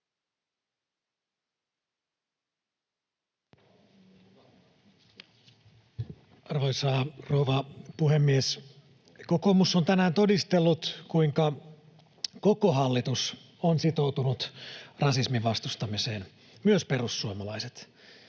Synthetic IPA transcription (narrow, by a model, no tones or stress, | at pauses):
ɑrʋoisɑroːʋɑpuɦe̞mːies | koko̞musːo̞nt̪ænæːnt̪o̞dist̪elːut̪kuiŋkɑ | ko̞ko̞ɦɑlːit̪us | onsit̪o̞wt̪unut̪rɑsismiʋʋɑst̪ust̪ɑmiseːn | myøspe̞rusːuomɑlɑjset̪